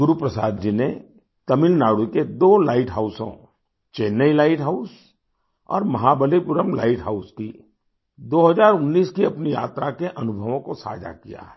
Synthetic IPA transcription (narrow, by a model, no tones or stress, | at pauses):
ɡʊɾupɾəsaːd̪d͡ʒine | t̪ɐmɪlnaːɽuked̪oːlaːɪʈɦaːʊsõ̰ | t͡ʃeːnːəilaːɪʈɦaʊs | ɔ̰ːɾmɐɦabəlipʊɾəmla̰ːɪʈɦaʊski | d̪oːɦəzaːɾʊnːiːskiɐpnija̰ːt̪ɾakeʔɐnʊbʱəʋõkosa̰ːd͡ʒa̰kija̰ɦɛː